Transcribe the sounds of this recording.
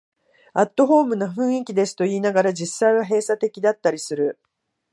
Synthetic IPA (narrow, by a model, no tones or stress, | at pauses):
at̪ːo̞ɦo̞ːmɯ̟noɸɯ̟̃ɰ̃ikʲid̪e̞sɨ̥t̪o̞iːnaɡaɾad͡ʑisːaiβ̞aɦe̞ːsat̪e̞kʲid̪at̪ːaɾʲisɨɾɯ̟